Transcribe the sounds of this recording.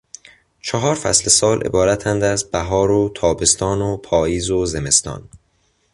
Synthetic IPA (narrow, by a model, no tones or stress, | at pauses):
t͡ʃʰɒɦɒːɾfæ̰slesɒːlʔe̞̰bɒːɾæt̪ʰænd̪æzbæɦɒːɾot̪ʰɒːbe̞st̪ʰɒːnopʰɒːiːzoze̞me̞st̪ɒ̰ːn